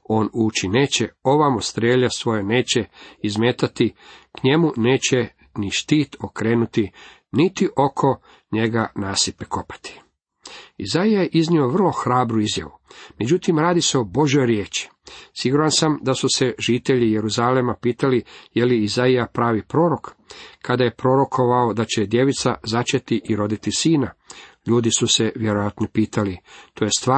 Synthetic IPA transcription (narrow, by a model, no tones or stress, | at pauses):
o̞ːnuːt͡ɕine̞ːt͡ɕeo̞ʋamost̪ɾeːʎasʋo̞jene̞ːt͡ɕe̞izmeːt̪at̪ikɲe̞mune̞ːt͡ɕe | niʃt̪iːt̪ʰokɾe̞ːnut̪i | nit̪iʔo̞kʰo̞ | ɲe̞ɡanaːsipeko̞pḁt̪ʰi̥ | ḭzaijajeʔiznio̞ʋr̩lˠo̞xɾaːbɾuizja̰ʋumed͡ʑut̪imɾaːd̪ise̞obo̞ʒjo̞jɾjeːt͡ʃi̥ | siɡuɾansamd̪asuse̞ʒit̪e̞ʎije̞ɾuzalemapiːt̪alije̞liizaijapɾaːʋipɾo̞ːɾo̞kkad̪aje̞pɾo̞ɾo̞kʰo̞ʋao̞d̪at͡ɕe̞d̪je̞ʋit̪sa̰zat͡ʃet̪iʔiɾo̞d̪it̪isiːnaʎuːd̪isuse̞ʋjeɾo̞jat̪nopiːt̪ʰalit̪ʰo̞jest̪ʋaː